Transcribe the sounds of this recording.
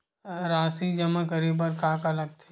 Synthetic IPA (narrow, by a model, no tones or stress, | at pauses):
ɾaːsid͡ʒɐmãkəɾiːbəɾkaːkɐləɡ̚t̪ʰe̥